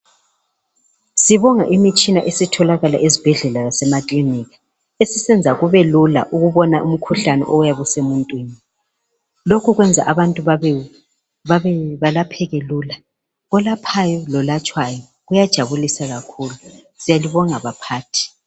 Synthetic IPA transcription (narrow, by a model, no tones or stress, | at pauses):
siβɔŋa̰ʔimit͡ʃʼinaʔesitʰɔlaɣala̰ʔezib̥ʱɛɮɛlaɣasɛmakʼlinikḁ | esisɛnd͡zʱaɣuβɛlula̰ʔuɣuβɔnaʔum̩kʰuɬanɛ̰ʔɔjaβusemuntʼwiːni | lokʰuɣwɛnd͡zʱa̰ʔaβantʼuβaβɛ | βaβɛβalapʰɛɣeluːla | ɣɔlapʰajɔlɔlat͡ʃʼwajɔ | ɣujad̥ʒ̥ʱaβulisaɣakʰuːlu | sijaliβɔŋaβapʰaːtʰi̥